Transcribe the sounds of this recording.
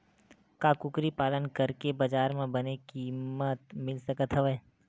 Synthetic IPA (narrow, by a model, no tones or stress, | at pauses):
kakʊkɾipaːlənkɐɾkebɐd͡ʒaːɾmẽbɐnekimət̪mɪlsɐkət̪ɦɐʋeː